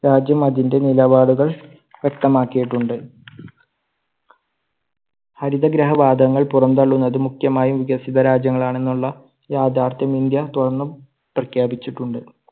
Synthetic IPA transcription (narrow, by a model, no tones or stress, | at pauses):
ɾaːd͡ʑjɐmɐðinde̞nilɐbaːɽuɣɐɭ | ʋje̞k̚t̪ɐmaːkːijiʈːuɳɖɨ | hɐɾiðɐɡɾɐɦɐʋaːd̪ʱɐŋːɐɭpurɐnd̪ɐɭːunːɐðɨmukʰjɐmaːjumʋiɡɐsiðɐɾaːd͡ʑjɐŋːɐɭaːɳe̞nːuɭːɐ | jaːd̪aːrt̪jɐmind̪jɐt̪uɽɐnːu | prɐkʰjaːbit͡ɕːiʈːuɳɖɨ